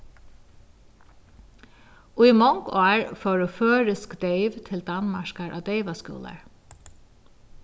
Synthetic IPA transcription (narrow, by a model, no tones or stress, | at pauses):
uimɔŋkɑːɹfɔːɹʉføːɹɪskd̪eɪʋt̪ʰɪld̪anmaʂkaɹʔa̰ːd̪eɪʋaskṵːla̰ɹ